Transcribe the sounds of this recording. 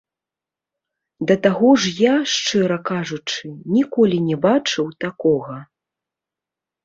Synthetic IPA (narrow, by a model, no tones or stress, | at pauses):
d̪ɐt̪aɣɔʐjaʂt͡ʂɛɾɐkaʐut͡ʂɨnʲikɔlʲinʲɛbat͡ʂɨwt̪akɔɣɐ